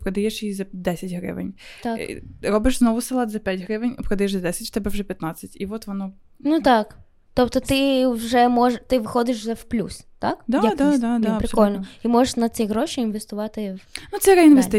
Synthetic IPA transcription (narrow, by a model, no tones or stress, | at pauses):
pɾɐd̪ɐjɛʂjizɐd̪ɛsʲɪtʲɦɾɪ̰ʋɪ̰nʲt̪aɾɔbɪʂznɔʋʊsɐlˠɑt̪zɐpʲatʲɦɾɪʋɪnʲpɾɔd̪ɐjɛʃzɐd̪ɛsʲɪtʲʃt̪ɛbɛwʐɛpʲjɐt̪nat͡sʲsʲːɐtʲiʋɔt̪ʋɔnɔ | nut̪ɑk | t̪ɔpt̪ɔt̪ɪwʐɛmɔʐt̪ɪʋɪxɔd̪ɪʂwzɛwplʲṵst̪akd̪ajad̪ad̪ad̪aɐpɾɪskɔlʲnɔimɔʐeʂnɐt͡sʲiɣɾoʃiinʋʲest̪ʊʋɑt̪ɪwnut̪sɛɾɛinʋesʲt̪ɪ